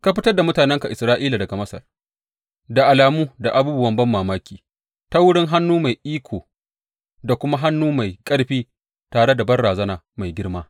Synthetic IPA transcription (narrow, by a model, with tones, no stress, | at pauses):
ka˦ɸ̬ɪ˦tɐ˦rda˨mʊ˦taː˨nɛ˦ŋka˨ʔɪ˨sɾaː˦ʔiː˦la˨dɐ˨ɡa˨mɐ˦sɐ̰˨r | da˨ʔa˨laː˨muː˦da˨ʔa˨buː˦bʊ˦wɐ˦mbɐ˦mːaː˨maː˦kʲiː˨ | ta˦wʊ˦ɽɪ˦ŋɦa˦nːuː˦ma˨jʔiː˦kʷʰoː˨ | da˨kʷʊ˦ma˦ɦa˦nːuː˦ma˨jkʼɐ˦ɽɸiː˦ | taː˨ɽe˦da˨bɐ˦rɽaː˨zɐ˦naː˨ | ma˨jɡʲɪ˦ɽmaː˦